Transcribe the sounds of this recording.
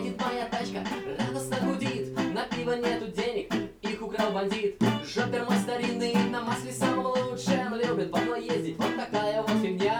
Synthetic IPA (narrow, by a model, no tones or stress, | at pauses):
dʲɪt̪mɐjat̪at͡ɕkərʲad̪əsnəɡʊdʲit̪nɐpʲivənʲet̪ʊdʲenʲɪk̚ixʊkɾalˠbɐnʲdʲit̪ʐopʲɪrmɐst̪ɐɾʲinːɨnɐmasʲlʲɪsaməvəuʂɨəmlʲoblʲɪt̪vɐd̪nojjezʲdʲɪtʲvot̪ːɐkajəvosʲɪmʲja